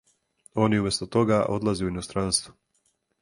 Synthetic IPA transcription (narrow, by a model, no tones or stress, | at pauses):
o̞ːniumest̪ot̪o̞ɡaʔo̞̰d̪lˠazeuinost̪ɾanst̪vu̥